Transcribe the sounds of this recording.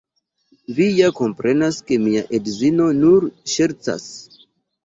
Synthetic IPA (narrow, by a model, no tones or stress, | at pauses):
vijako̞mpɾe̞naske̞miaʔedzino̞nuɾʃe̞ɾt͡sa̰s